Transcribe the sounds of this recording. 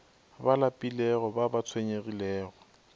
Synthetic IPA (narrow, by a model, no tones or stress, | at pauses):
balapʼilɛɣɔbabat͡sʰweɲerilɛːɣɔ